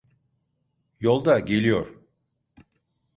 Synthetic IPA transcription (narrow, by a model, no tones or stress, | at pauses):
jo̞lˠd̪aɟe̞lʲijoɾ̥